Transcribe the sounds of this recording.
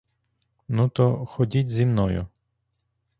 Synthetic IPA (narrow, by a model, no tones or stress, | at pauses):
nut̪ɔxɔdʲitʲzʲimnɔjʊ̰